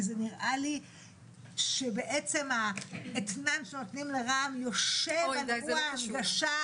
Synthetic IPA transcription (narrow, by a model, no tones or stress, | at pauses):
zeniʁʔali | ʃebeʔet͡se̞maet̪nanʃeno̞t̪nimleʁamjoʃevaluatɡaʃa